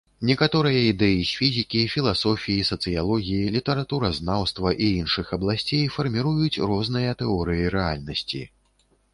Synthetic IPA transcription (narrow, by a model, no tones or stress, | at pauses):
nʲɛkat̪ɔɾɨjɐid̪ɛjisʲfʲizʲikʲifʲilˠasɔfʲijisɐt̪sɨjalˠɔɣʲijilʲit̪ɐɾat̪uɾɐznawst̪vɐʔiinʂɨxɐblˠasʲt͡sʲejfɐrmʲiɾujut͡sʲrɔznɨjɐt̪ɛɔɾɨjiɾɛalʲnɐsʲt͡sʲḭ